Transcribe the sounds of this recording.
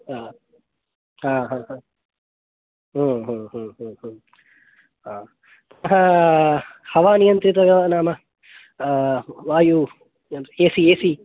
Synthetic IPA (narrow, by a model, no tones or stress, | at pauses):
aː | ɦãːɦãːɦãː | ɦũːɦũːɦũːɦũːɦũː | ɦaː | t̪ɐɦɐ | hɐʋaːnijɐnt̪ɾit̪ɐʋjɐʋɐnaːmɐ | ʋaːju | jɐeːsieːsi